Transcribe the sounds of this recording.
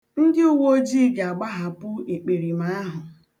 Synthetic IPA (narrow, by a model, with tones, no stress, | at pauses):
n̩˦dɪ˦u˦˨wo˦d͡ʒi˦ɡa˨a˨ɡ͡ba˦ɦa˨pʊ˦e˨k͡pe˨ɾi˨ma˨˦a˦ɦʊ˨